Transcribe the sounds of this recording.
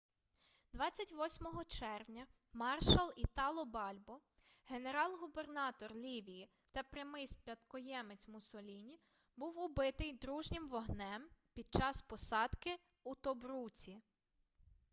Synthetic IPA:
d̪ʋɑt͡sʲːɐtʲʋɔsʲmɔɦɔt͡ʃɛrwnʲɐ | mɑrʃɐlˠit̪ɑlˠɔbɑlʲbɔ | ɦe̞neɾɑlˠɦube̞rnɑt̪ɔrlʲiʋʲiji | t̪ɐpɾɪmɪspʲɐt̪kɔjɛmet͡sʲmʊsɔlʲinʲi | buwʊbɪt̪ɪjd̪ɾuʒnʲɪmʋɔɦnɛmpʲid̪̚t͡ʃɑspɔsɑd̪̥kɪ | ut̪ɔbɾut͡sʲi

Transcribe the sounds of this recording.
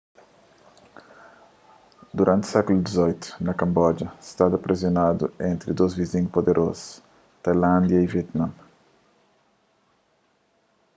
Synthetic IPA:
d̪uɾʔãnt̪sɛkulud̪izɔjt̪u̥nɐkɐ̃mbɔd͡ʒɐst̪ad̪ɐpɾezjonad̪uẽnt̪ɾid̪ozvizĩɲupod̪eɾʔozu̥ | t̪ajlãnd̪jɐiviɛt̪nãm

